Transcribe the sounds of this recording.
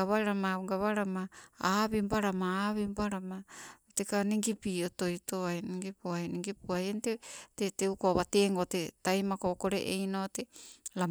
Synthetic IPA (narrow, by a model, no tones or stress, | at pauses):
aβaɾamaɡaβaɾamaaβimbaɾamaaβimbaɾamatekaniŋɡipioto̞jtoajniŋɡipuajniŋɡipuajenteteteukoβateŋɡotetajmakokoɾḛʔḛjnotela